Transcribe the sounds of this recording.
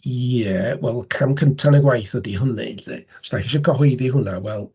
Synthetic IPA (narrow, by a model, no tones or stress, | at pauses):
jɛwɛlˠkʰamkʰəntʰanɛɡwajθədiɦʊnḭɬḭ̥staxiʃɔkʰɔɦʊɨðiɦʊnawɛlˠ